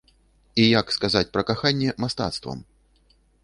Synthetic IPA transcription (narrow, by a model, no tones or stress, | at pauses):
ijakskazat͡sʲpɾɐkaxanʲːɛmast̪a̰t̪st̪vɐ̰m